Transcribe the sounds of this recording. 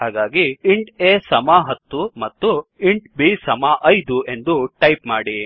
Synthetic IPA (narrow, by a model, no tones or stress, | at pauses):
aːɡaːɡiiɳʈeːsɐmaɦɐt̪ːumɐt̪ːuiɳʈbiːsɐmaːʔɐjd̪ue̞nd̪uʈɐjpmaːɽi